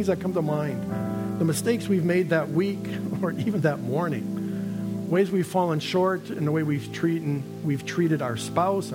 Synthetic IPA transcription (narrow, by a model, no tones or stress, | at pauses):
ŋzðɨt̚kʰʌ̃mtəmãɪ̃ndðəmɨsteɪkswivmeɪd̪̚ðɨt̚wikə˞ʔivɨ̃nðɨt̚mɔɹnɪ̰̃ŋ | weɪzwiv̥fɔlˠə̃nʃɔɹɾɨ̃nðəweɪwiv̥tʰɹ̥iɾn̩ | wiv̥tʰɹ̥iɾɨɾaʊə˞spaʊs